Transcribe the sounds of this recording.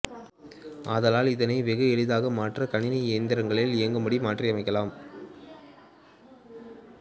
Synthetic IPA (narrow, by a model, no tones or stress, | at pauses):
ɐðɐlaːlɪðɐnɐɪʋɛɣɯɛɻɯðaːɣɐmaːʈrɐkɐɳɪnɐeːnd̪ɐɾɐŋɡɐɭɪlɪɐŋɡɐmɐɽimaːʈriɐmɐɪkːɐlaːm